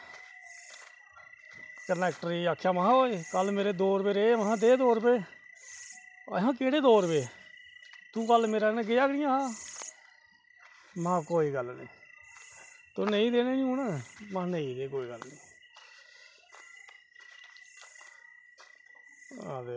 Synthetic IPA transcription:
kənɛːk̚ʈəɾiːaːkʰːjaːməãoːeːkəlmeːɾeːd̪oːɾbeːɾeːmaɦãːd̪eːd̪oːɾbeː | ə̰ɦãːkeːɽeːd̪oːɾbeː | t̪ũːkəlmeːɾaːnẽːɡɪjaːkɽɪjãːaː | mãːkoːiːɡəlnĩː | t̪oːnẽĩːd̪eːneːnĩũːnamãːnəĩːd̪eːkoːiːɡəlnĩː | d̪e

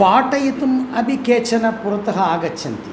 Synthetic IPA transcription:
paːʈɐjit̪umɐbʱikeːt͡ʃɐnɐpuɾɐt̪ɐɦɐaːɡɐt͡ʃʰːɐnt̪i

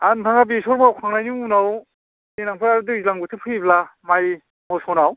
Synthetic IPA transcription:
antʰaŋab̬isɔɾmawkʰaŋnajniŋunaw | ninaŋpʰɯɾaɾɯdɯzlaŋbɯtʰɯpʰɯiblamaj | mɔsɔnaw

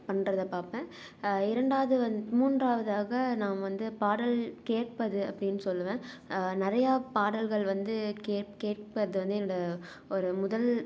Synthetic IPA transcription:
pɐnːɾɐðɐpaːpẽː | ɪɾɐɳɖaːʋɐðɯʋɐnmuːndraːʋɐðaːɣɐnãːʋɐnd̪ɯpaːɽɐlkeːʈ̚pɐðɯɐpːɐɽɪnːɯsɔlːɯʋẽː | nɪɾɐjaːpaːɽɐlɣɐɭʋɐnd̪ɯkeːkeːʈ̚pɐðɯʋɐnd̪ɯɛnːɐɽɐ | ɔɾɯmʊðɐl

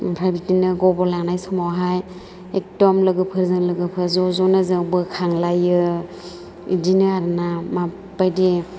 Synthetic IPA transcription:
pʰɾajbitinɯɡɔbɔlanajsɔmawɦaj | ek̚dɔmlɯɡɯpʰɯɾzɯŋlɯɡɯpʰɯɾzɔzɔnɯzɯbɯkʰaŋlajɯ | ḭdinɯaɾnama | pajdi

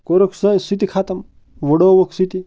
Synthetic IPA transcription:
koɾoksɐsit̪ikʰaːt̪ɐm | ʋɐɽoʋɐksit̪i

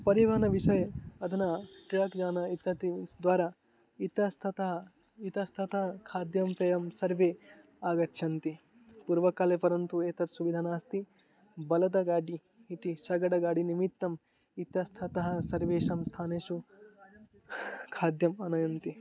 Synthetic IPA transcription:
pɐɾiʋɐːnɐʋiʃɐjɐɐd̪ʱɐnɐʈɾaːkd͡ʒaːnɐit̪ːɐt̪id̪ʋaːɾa | it̪ɐst̪ʰɐt̪ɐɦɐ | it̪ɐst̪ʰɐt̪ɐɦɐkʰaːd̪jɐmpɐjɐmsɐɾʋeː | aːɡɐtːʃʰɐnt̪i | puɾʋɐkaːlepɐɾɐnt̪ueːt̪ɐɾsuʋid̪ʱaːnaːst̪i | bɐlɐt̪̬ɐɡaːɖiː | t̪isɐɡɐɽɐɡaːɖinimit̪ːɐm | it̪ɐst̪ʰɐt̪ɐɦɐsɐɾʋeːʃɐmst̪ʰaːneːʃu | kʰaːd̪jɐmɐnɐjɐnt̪i

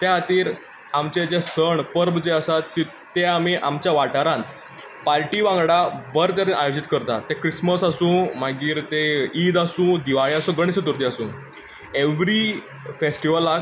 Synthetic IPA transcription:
t̪aɦat̪iːɾ | amt͡ɕed͡ʑesəɳpəɾbd͡ʑeəsat̪ːi | t̪eamiʔa̰mt͡ɕjaʋaʈaɾãn | paɾʈiʋãŋɡɽabəɾt̪əɾiːnʔa̰jod͡ʑit̪kəɾt̪at̪ekɾisməsasũːm̤aɡiːɾt̪eid̪asũːd̪iʋaɭiasũːɡəɽ̃isət̪uɾt̪iasũː | eʋɾi | fesʈiʋəlːa

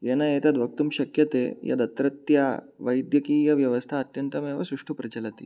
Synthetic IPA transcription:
jenajet̪ad̪ʋɐk̚t̪umɕɐkjɐt̪ḛja̰d̪ɐt̪ɾɐt̪ja | ʋəjd̪jəkiːjɐʋjɐʋəst̪ʰaːt̪jɐnt̪ɐmẽʋasɾuʂʈupɾɐt͡ɕɐlat̪ḭ

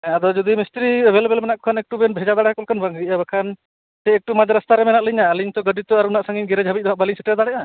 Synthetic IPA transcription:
ɛ̃ad̪ɔd͡ʒɔd̪imist̪ɾibɛlbɛlmɛnaʔkɔ̥kʰanɛk̚ʈubɛnbʱɛd͡ʒad̪aɽɛkɔlkʰanbaŋɡiabakʰan | sɛɛk̚ʈumad͡ʒaɾəst̪aɾɛmɛnaʔliɲaliɲt̪ɔɡəɖit̪ɔaɾunaʔsaŋiɲɡɛɾɛd͡ʒʱabit̪̚ˀaʔbaliɲsiʈɛd̪aɽɛʔa

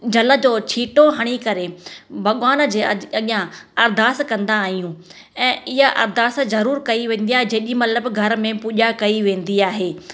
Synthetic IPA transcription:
d͡ʑɐlə̆d͡ʑoːt͡ɕʰiːʈoɦɐɽ̃ikɐɾebʱɐɠʋaːnd͡ʑeːɐɠijãɐɾd̪ʱaːskɐ̃nd̪aːɦijũː | ɛ̃ːɪɦaʔɐ̰ɾd̪ʱaːszɐɾuːɾkɐiʋẽːnd̪iaːɦed͡ʑɐ̃ɦʄimɐt̪ləbɡʱɐɾmẽpuːʄakɐiʋẽːn̆d̪iaːɦeː

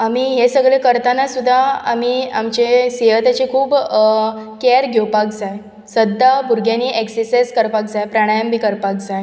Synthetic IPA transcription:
amiɦesəɡɭekəɾt̪anasud̪ʱːaamiamt͡ɕeseɦət̪at͡ɕekʰuːb | keɾɡʱjewpak̚d͡zaj | səd̪ʱːabʱuɾɡjaniːʔeksəseskəɾpak̚d͡zajpɾaɽ̃ajəmbʱiːkəɾpak̚d͡zaj

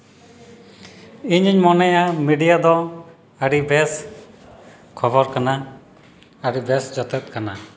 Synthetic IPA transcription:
iɲiɲmɔnɛjamiɖijad̪ɔ | əɽibɛs | kʰɔbɔɾkana | əɽibɛsd͡ʒɔt̪ɛt̪̚kana

